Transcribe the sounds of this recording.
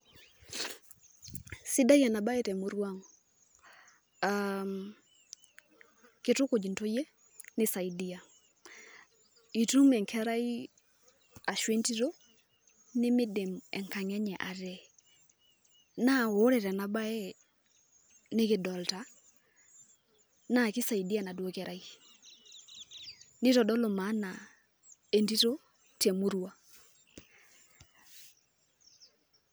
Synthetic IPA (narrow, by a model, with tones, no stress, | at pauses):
sɪ˦da˦jɛ˨na˨ba˦jɛ˦tɛ˨mo˨ɾwa˦ŋ | am | kɪ˦tʊ˦ko˨d͡ʒi˨nto˦je˦ | nɪ˦sa˨i˨di˦a˨ | i˨tu˦mɛ˨ŋkʰɛ˦ɾa˦i˦ | a˨ʃwe˦nti˦ɾo˦ | nɪ˦mɪ˦de˨mɛ˨ŋka˨ŋɛ˦ɲɛ˨ʔa˨ɾɛ˦˨ | na˦˨wo˨˦ɾɛ˨ɾɛ˨na˨ba˦ɛ˦ | nɪ˦kɪ˨dɔ˨lta˨ | na˦˨kɪ˦sa˨ji˨di˦a˨na˨dwo˦kɛ˦ɾʔa˦i˦ | nɪ˦tɔ˨dɔ˦lʊ˨ma˨˦na˨ | e˨ndi˦to˦ | te˨mu˦ɾu˦a˦